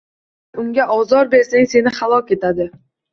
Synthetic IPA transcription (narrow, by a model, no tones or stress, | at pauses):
ʊŋɡʲaʔɒzɒɾbe̞ɾsaŋse̞nɪχalˠɒkʲe̞t̪ad̪ɪ